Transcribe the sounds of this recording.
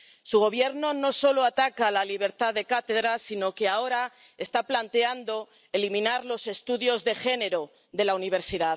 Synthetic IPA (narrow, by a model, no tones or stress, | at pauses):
suɣ̞o̞β̞je̞ɾno̞no̞so̞lo̞at̪akalaliβ̞e̞ɾt̪aðe̞kat̪e̞ðɾasino̞ke̞ao̞ɾa | e̞st̪aplant̪e̞and̪o̞ | elimĩnaɾlo̞se̞st̪uðjo̞zðe̞xe̞ne̞ɾo | ðe̞launiβ̞e̞ɾsiðað